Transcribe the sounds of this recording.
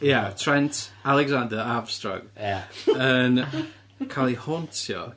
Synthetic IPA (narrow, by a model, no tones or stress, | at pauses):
jatʰrɛntʰalˠɛɡzandəab̥strɔ̰ɡ̥ | ən | kʰalˠihɔntʰjɔ̰